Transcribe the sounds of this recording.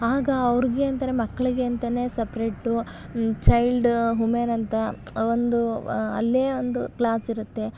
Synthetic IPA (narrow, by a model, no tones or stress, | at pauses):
aːɡɐɐʋɾiɡe̞ɐnt̪ɐɾemɐkːɐɭiɡe̞ɐnt̪ɐne̞ːsepɾeʈːu | t͡ʃɐjlɖɦumenɐnt̪ɐ | ond̪uɐ̰lːe̞ːond̪uklaːsiɾut̪ːe̞